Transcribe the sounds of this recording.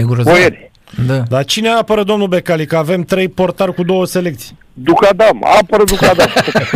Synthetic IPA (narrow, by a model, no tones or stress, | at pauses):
eɡuɾopojeɾʲ | d̪ad̪at͡ʃine̞apəɾəd̪o̞mnube̞kalikəave̞mt̪ɾe̞jpo̞rt̪alkud̪o̞wəse̞le̞k̚t̪sʲi | d̪ukad̪ama̰pəɾəd̪ukad̪amo